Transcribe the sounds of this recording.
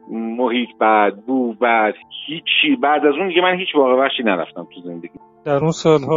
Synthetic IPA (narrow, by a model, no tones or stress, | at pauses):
mohiːt̪ʰbæd̪̚buːbæd̪̥hiːt͡ʃʰːiːbæʔd̪æzund̪iɡɟemænhiːt͡ʃʰvɒːɣeβæχʃiːnæɾæ̰ft̪æmt̪ʰuze̞nd̪e̞ɟiː | d̪æɾunsɒːlhɒː